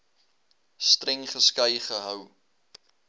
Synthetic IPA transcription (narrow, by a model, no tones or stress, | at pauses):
strɛŋχəskɐjχəɦœw